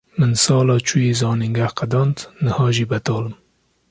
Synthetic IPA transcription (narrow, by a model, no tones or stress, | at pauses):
mɨnsɑːlɑːt͡ʃʰujeːzɑːniŋɡæhqad̪ɑnt̪nəhɑːʒiːbɐt̪ɑːlɨm